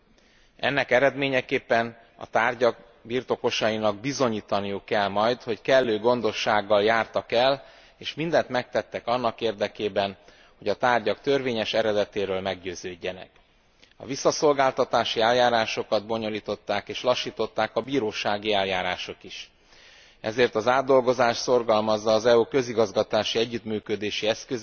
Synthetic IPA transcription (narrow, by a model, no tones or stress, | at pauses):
ɛ̰nːɛkɛɾɛd̪meːɲɛkeːpːɛn | ɒ̰t̪aːrɟɒɡ̚ | biːrt̪o̞ko̞ʃɒjinɒɡ̚bizo̞ɲiːt̪ɒnijukːɛlmɒjt̪ho̞ckɛlːøːɡo̞nd̪o̞ʃːaːɡːɒljaːrt̪ɒkɛl | eːʃmind̪ɛnt̪mɛk̚t̪ɛt̪ːɛkɒnːɒkeːrd̪ɛkeːbɛn | ho̞ɟɒt̪aːrɟɒkt̪ørveːɲɛʃɛɾɛd̪ɛt̪eːɾøːlmɛɡɟøːzøːɟːɛnɛ̰k | ɒ̰visːɒso̞lɡaːlt̪ɒt̪aːʃiɛljaːɾaːʃo̞kɒd̪̚bo̞ɲo̞liːt̪o̞t̪ːaːkeːʃlɒʃːiːt̪o̞t̪ːaːkɒbiːɾoːʃaːɡiɛljaːɾaːʃo̞kiʃ | ɛzeːrt̪ɒzaːd̪ːo̞lɡo̞zaːʃt̪so̞rɡɒlmɒzːɒːzɛuːkø̞ziɡɒzɡɒt̪aːʃiɛɟːyt̪myːkød̪eːʃiɛskøz